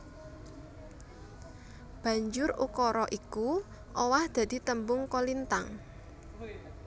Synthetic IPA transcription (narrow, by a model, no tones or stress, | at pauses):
b̥ä̤ɲd͡ʒʊrṵkɔɾɔʔiku | ʔɔwahd̪̥ä̤d̪̥i̤t̪əmbʊŋkɔlint̪aŋ